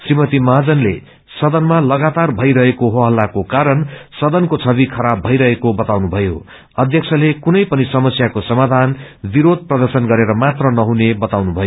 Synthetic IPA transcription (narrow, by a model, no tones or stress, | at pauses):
srimʌt̪imʌɦad͡zʌnlḛ | sʌd̪ʌnmalʌɡat̪arbʱʌjɾʌɦekoɦoɦʌlːakokaɾʌnsʌd̪ʌnkot͡sʰʌβikʰʌɾabʱʌjɾʌɦekobʌt̪awnubʱʌjo | ʌd̪ʱjʌkt͡sʰʌlekunʌjpʌnisʌmʌsjakosʌmad̪ʱanbiɾod̪̚ʱprʌd̪ʌrsʌnɡʌɾeɾʌmat̪rʌnʌɦunebʌt̪awnubʱʌjo